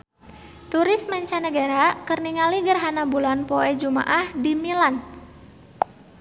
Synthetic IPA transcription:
t̪uɾɪsmaɲt͡ʃanəɡaɾakərniŋaliɡərɦanabulanpoɛd͡ʒuma̰ʔahdimilan

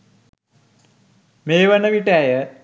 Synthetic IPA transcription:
meːʋənəʋiʈæjə

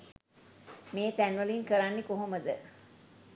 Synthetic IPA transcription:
meːt̪ænʋəliŋkəɾanːekoɦoməd̪ə

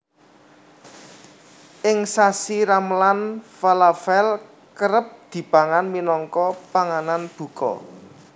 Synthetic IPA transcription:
ʔɪŋsasiɾamlanfalafɛl | kəɾəp̚d̪̥i̤paŋanminɔŋkɔpaŋananb̥ṳkɔ̰

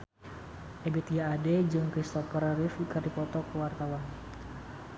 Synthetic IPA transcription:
ʔɛbɛt̪ijaːdɛd͡ʒɔŋkɾist̪ɔpərrifkərdipɔt̪ɔkəwart̪awan

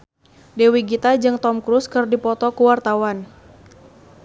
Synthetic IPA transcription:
dɛwiɡit̪ad͡ʒɨŋt̪ɔmkɾuskɨrdipɔt̪ɔkuwart̪awan

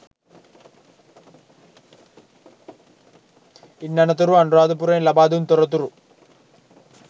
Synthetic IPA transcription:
inːɐnɐt̪̬uɾuɐɳɖɾaːd̪up̬uɾeːlɐbaːd̪unt̪uɾɐt̪̬ːuɾu

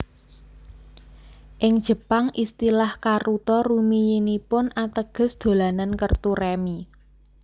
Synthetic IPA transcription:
ʔɪŋd̥ʒ̥ə̤paŋʔist̪ilahkarut̪ɔrumijinipʊnat̪əɡ̥ə̤sd̪̥o̤lanankərt̪urɛmi

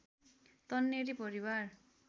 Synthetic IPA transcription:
t̪ʌnːeɾipʌɾibar

